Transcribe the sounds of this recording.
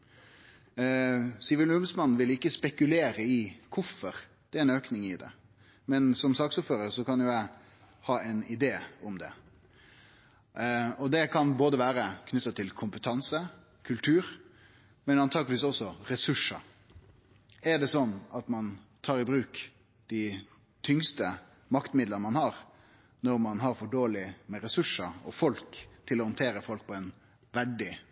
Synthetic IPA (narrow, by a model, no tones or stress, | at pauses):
siːʋəlʉmsmɑnːʋɪlɪkːəspɛkʉleːɾəɪkʰʊfːɔɾd̪̥ɛɛɾɛnøːknɪŋɪd̪ɛ̰ | mɛnsɔmsɑːksuːpføːɾəɾsɔkɑnjʊæɪ | hɑːʔɛnɪd̪eːʊmd̪ɛ̰ | ɔd̪ɛkʰɑnboːd̪əʋæːɾəkʰnʏt̪ːət̪ʰɪlkʰʊmpət̪ʰɑnsə | kʰʉlt̪ʰʉːɾ | mɛnɑnt̪ʰɑːɡlʋiːsɔsːɔɾɛsʉʂːɑ | æɾɖ̪ɛsɔnːɑt̪mɑnt̪ʰɑːɾɪbɾʉːk | d̪̥ɪ | t̪ʰʏŋst̪ə | mɑkt̪əmɪd̪lənəmɑnhɑːɾ | nɔɾmɑnɦɑɾfɔɖoːlɪmɛɾɛsʉʂəɔ̰fɔlkt̪ʰɪlːɔhʊnt̪ʰeːɾəfɔlk̚pʰɔɛn | ʋæɖɪ